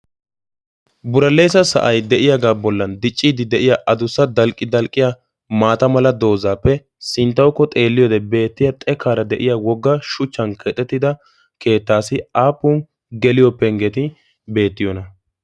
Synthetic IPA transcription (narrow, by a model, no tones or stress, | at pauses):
bʊɾɐlːeːsɐsɐ̰ʔɐjd̪ɛʔɪjaɡaːbɔlːɐnd̪ɪt͡ʃʼːiːd̪ɪd̪ɛʔɪjaʔɐd̪ʊsːɐd̪ɐlkʼɪd̪ɐlkʼːɪja | maːt̪ɐmɐlɐd̪o̞ːzaːpːɛ | sɪnt̪ːɐwkːɔt̪ʼe̞ːlːɪjɔd̪ɛbe̞ːt̪ːɪjat̪ʼɛkːaːɾɐd̪ɛʔɪjawɔɡːɐʃʊt͡ʃːɐnkʰɛt̪ʼːɛt̪ːɪd̪ɐ | ke̞ːt̪ːaːsɪaːpːun | ɡɛlɪjɔpːɛŋɡɛt̪ɪ | be̞ːt̪ːɪjɔnɐ